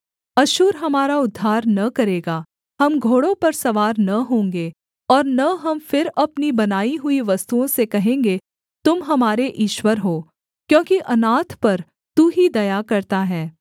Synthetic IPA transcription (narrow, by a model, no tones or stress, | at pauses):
ɐʃuːɾɦɐmaːɾaʊd̪ʱːaːɾnɐkɐɾeːɡaː | ɦɐmɡʱoːɽõpɐɾsɐʋaːɾnɐɦõːŋɡeː | ɔːɾnɐɦɐmfɪɾɐpnibɐnaːiɦʊiʋɐst̪uõsekɐɦẽːŋɡe | t̪ʊmɦɐmaːɾeʔiːʃwəɾɦoː | kjõːkiʔɐnaːt̪ʰpɐɾ | t̪uɦid̪ɐjakɐɾt̪aɦɛː